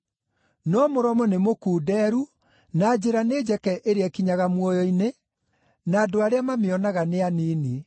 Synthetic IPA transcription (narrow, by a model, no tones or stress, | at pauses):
nɔmoɾɔmɔnemokuːdɛːɾu | naːd͡ʑeɾaned͡ʑɛkɛʔeɾeɛkiɲaɣamwɔjɔine | naːdoaɾeamameɔnaɣaneaniːni